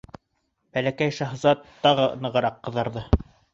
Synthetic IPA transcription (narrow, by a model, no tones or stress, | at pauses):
b̥ælækæjʃɑɦzɑt̪ːɑʁɤɤ̆nɤ̆ʁɤ̆ɾɑqːɤ̆ðɑɾðɤ